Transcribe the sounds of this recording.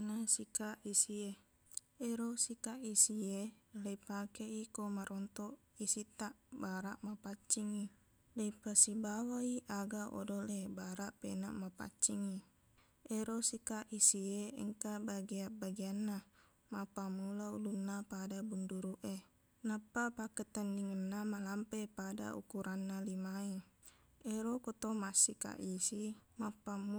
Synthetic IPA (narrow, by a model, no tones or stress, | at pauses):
nasikaʔisie | eɾosikaʔisieleipakeikomaɾʔɔnt̪ɔʔ | isit̪aʔbaɾaʔmapat͡ʃːiŋi | leipasibawaiʔaɡaʔɔ̰dolebaɾaʔpena̰ʔmapa̰t͡ʃːiŋi | eɾosikaʔisieə̰ŋkabaɡiabaɡianːa | mapamulaṵlunːapadabunduɾuʔe | napːapakət̪əndiŋənːamalampepada̰ṵkuɾʔanːalimai | eɾokɔt̪omasika̰ʔisimapamu